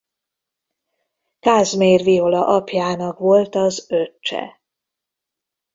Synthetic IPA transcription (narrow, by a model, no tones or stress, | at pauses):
kaːzmeːrvio̞lɒʔɒpjaːnɒkʋo̞lt̪ɒzøt͡ʃːɛ̰